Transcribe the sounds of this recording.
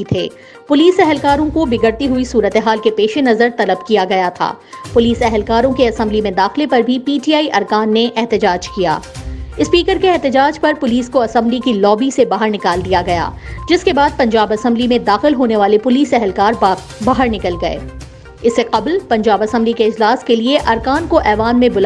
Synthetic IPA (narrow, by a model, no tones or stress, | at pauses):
t̪ʰeː | pʊliːsɛɦɛlkaːɾõkobɪɡəɾt̪iɦuisuːɾət̪eɦaːlkepeːʃenɐzəɾt̪ɐləbkijaɡɐjat̪ʰa̰ː | pʊliːsɛɦɛlkaːɾõkeɐsə̃mblimẽd̪aːxlepɐɾbʱipiːʈiaːiʔɐɾkaːnːeʔɛɦt̪ɪd͡ʒaːd͡ʒkija̰ːɪspiːkəɾkeɛɦt̪ɪd͡ʒaːd͡ʒpɐɾpʊliːskoɐsə̃mblikilɔːbisebaːɦəɾnɪkaːld̪ijaɡɐja̰ːd͡ʒɪskebaːd̪̚pɐ̃ɲd͡ʒaːbɐsə̃mblimẽd̪aːxɪlɦoːneʋaːlepʊliːsɛɦɛlkaːɾ | baːɦəɾnɪkəlɡɐḛː | ɪsːeqɐblpɐ̃ɲd͡ʒaːbɐsə̃mblikeɪd͡ʒlaːskelieʔɐɾkaːnkoʔɛːʋaːnmẽbʊl